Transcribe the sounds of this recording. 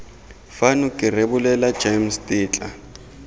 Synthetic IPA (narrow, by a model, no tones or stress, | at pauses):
fanʊkʼɪrebʊlɛlḁd͡ʒemstʼiːt͡ɬʼa